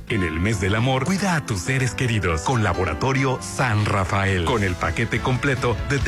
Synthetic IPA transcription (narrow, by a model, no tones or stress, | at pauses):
ene̞̰lme̞zðe̞lamo̞ɾkwiðaːt̪usːe̞ɾeske̞ɾiðo̞sko̞nlaβo̞ɾa̰t̪o̞ɾjo̞sanrafaelko̞ne̞lpake̞t̪e̞ko̞mple̞t̪o̞ðet̪